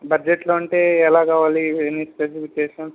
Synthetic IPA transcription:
bɐd͡ʒeʈloːɐɳʈeːɛlaːkaːʋaːlienːispesifikeːʂɐn

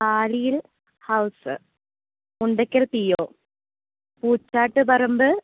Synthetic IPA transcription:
aːɻijil | hɐwsɨ̰ | uɳɖɐkʲːɐɭt̪ijːoː | puːt͡ɕːaːʈːɨpɐrɐmbɨ

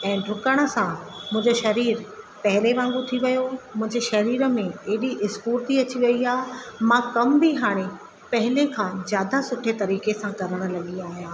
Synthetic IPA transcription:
ɛ̃ːɖɾʊkəɽ̃ə̆sãmʊ̃ɦɪ̃ɲd͡ʑeʃɐɾiːɾ | pɐɦɪleʋãːŋɡut̪ʰiʋɐjomʊ̃ɦɪ̃ɲd͡ʑeʃɐɾiːɾə̆mẽeːɗiʔɪskuːɾt̪ʰiɐt͡ɕiʋɐiaːɦemãkɐmbʱiɦaːɽ̃e | pɐɦɪlekʰãːzjaːd̪asʊʈʰet̪ɐɾiːkesãkɐɾəɽ̃ə̆lɐɠiaːɦijãː

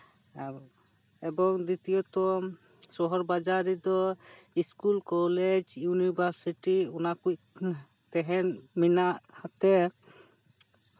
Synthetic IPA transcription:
ɛbɔŋd̪it̪ijɔt̪ɔ | sɔɦɔɾbad͡ʒaɾid̪ɔiskulkɔled͡ʒjunibʱaɾsiʈiunakuc | t̪ɛɦɛnminaʔhat̪ɛ

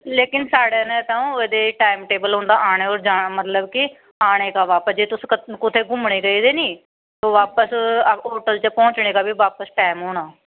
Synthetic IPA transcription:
leːkɪnsaːɽeːnɛ̃ːt̪ãːũːeːd̪eːʈaːɪmʈeːbəlɦõːnd̪aːʔaːɽ̃eːoːɾd͡ʒaːaːmət̪ləbkɪ | aːɽ̃eːkaːʋaːpəsd͡ʒeːt̪ʊskʊt̪ʰeːɡʊmɳeːɡəiːd̪eːniː | t̪oːʋaːpəsoːʈəlt͡ʃəpɔ̃ːt͡ʃɳeːɡaːbiːʋaːpəsʈaːmɦoːɽaː

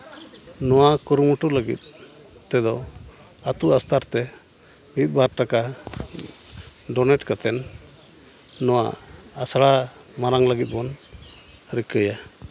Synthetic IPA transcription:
nɔwakuɾumuʈuləɡḭt̪̚ | t̪ɛd̪ɔ | at̪uast̪aɾt̪ɛ | bit̪̚ˀbaɾʈaka | ɖɔnɛʈkat̪ɛn | ɔwaasaɽa | maɾaŋləɡit̪̚ˀbɔn | ɾikəja

